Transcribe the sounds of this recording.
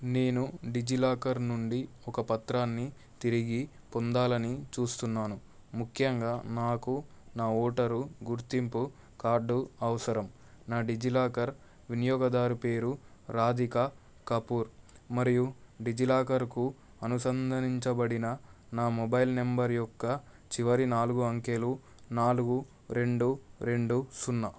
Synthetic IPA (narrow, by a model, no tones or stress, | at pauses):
ne̞ːnuɖid͡ʒilaːkɐɾnuɳɖi | ɔkɐpɐt̪ɾaːnːi | t̪iɾiɡi | pɔnd̪aːlɐnit͡ʃuːst̪unːaːnu | mukʰjɐŋɡaːnaːkunaːɔːʈɐɾuɡuɾt̪impu | kaːɾɖuɐʋɐsɐɾɐm | naːɖid͡ʒilaːkɐɾ | ʋinijɔːɡɐd̪aːɾupe̞ːɾuɾaːd̪ʱikɐ | kɐpuːɾmɐɾijuɖid͡ʒilaːkɐɾku | ɐnusɐnd̪ʱɐniɲt͡ʃɐbɐɽinɐnaːmɔbɐjlnembɐɾjɔkːɐ | t͡ʃiʋɐɾinaːluɡuɐŋkeːlu | naːluɡu | ɾe̞ɳɖuɾe̞ɳɖusunːɐ